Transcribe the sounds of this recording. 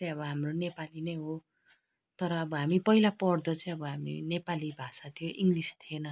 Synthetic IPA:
ʌ̃ʌβʌɦamronepalinʌjɦo | t̪ʌɾʌːbʌɦamipʌilapʌrd̪ʌt͡sʌĩʌbʌɦamḭnepalibʱasat̪ʰijoʔiŋɡlist̪ʰienʌ

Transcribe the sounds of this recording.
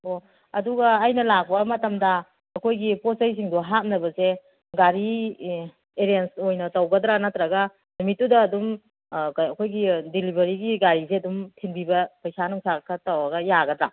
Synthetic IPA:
o | ɐduɡɐːjnɐlak̚bɐmɐtɐmdɐː | kʰojɡiposajs̬iŋdɔɦat̚nɐbɐse | ɡaɾi | eɾijensojnɐtɐwɡɐdɾanatɾaɡɐ | nmitːudɐːdum | ɐkʰojɡidilibʱɐɾiɡiɡaɾizeɐdumtʰinbibɐpɐjsanuŋsakʰːɐtawaɡɐjaɡɐdɾa̰

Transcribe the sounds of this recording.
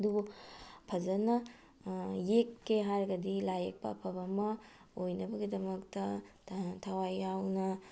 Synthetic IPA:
dubupʰɐzɐnɐ | jekːeɦaɾɐɡɐdilajek̚pɐ̰pʰɐbɐmɐ | ojnɐbɐɡidɐmɐktɐ | tʰawajawnɐ

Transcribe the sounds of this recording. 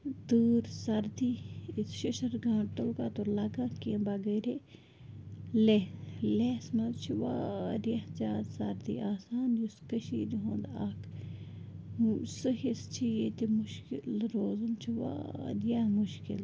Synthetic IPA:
d̪uːɾsɐɾd̪iisʃiʃɐɾɡãːʈ̪olkat̪olɐɡãkẽːbɐɡɐːɾe | lelesmɐzt͡ʃʰiʋaːɾjahd͡ʒaːd̪sɐɾd̪ḭaːsaːnjuskəʃiːd̪iɦõːnd̪aːkʰ | sɨɦist͡ʃʰijet̪imʊʃkilɾoːzumt͡ʃʰiʋa̰ːɾjamuʃkɪ̰l

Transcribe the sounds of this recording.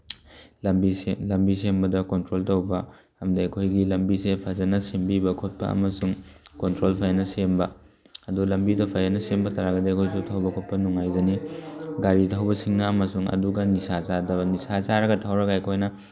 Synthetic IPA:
lɐmbiselɐmbisembɐdɐkontɾoltɐwbɐ | ɐmdɐɐkʰojɡilɐmbisepʰazɐnɐsembibɐkʰot̚pɐ̰ɐ̰mɐsuŋkontɾolpʰajanɐsembɐ | ɐdulɐmbidɐpʰajanɐsembɐtɐɾaɡɐdekʰojsutʰawbɐkʰot̚pɐnuŋajzɐniɡaɾitʰɐwbɐsiŋnɐːmɐsuŋɐ̰duɡɐnisazadɐbnisat͡ʃaɾɐɡɐtʰawɾɐɡaɐjkʰojnɐ

